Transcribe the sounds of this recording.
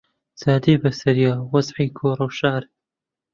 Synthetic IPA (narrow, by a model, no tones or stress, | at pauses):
zaːd̪iːbɐsɐɾjaːwɐzʕiːkʰoːɾˤɨwʃaːɾ